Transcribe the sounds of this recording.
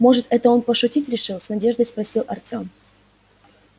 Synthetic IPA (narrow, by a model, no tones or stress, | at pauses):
mo̞ʐɨt̪ɛt̪əo̞npəʂʊtʲitʲɾʲɪʂɨlˠsnɐdʲe̞ʐd̪əjspɾɐsʲilˠʔɐrtʲo̞m